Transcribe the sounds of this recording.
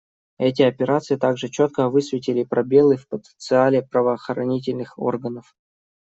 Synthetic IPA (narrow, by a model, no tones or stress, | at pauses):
ɛtʲɪɐpʲɪɾat̪sɨjɪt̪aɡʐɨt͡ɕot̪̚kəvɨsvʲɪtʲɪlʲɪpɾɐbʲelˠɨfpət̪ənt̪sɨalʲɪpɾəvəːxəɾɐnʲit̬ʲɪlʲnɨxo̞̰rɡənəf